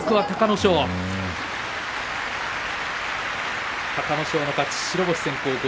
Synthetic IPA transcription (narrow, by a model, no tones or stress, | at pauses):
kɯ̟βat̪akano̞ɕo̞ː | t̪akano̞ɕo̞ːnokat͡ɕi̥ɕiɾo̞boɕi̥seŋkoːɡo